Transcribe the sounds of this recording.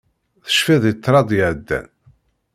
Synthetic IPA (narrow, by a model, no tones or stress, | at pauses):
θə̥ʃfiðˤət̪ˤːɾˤɑd̪ˤjəʕd̪ːæ̰n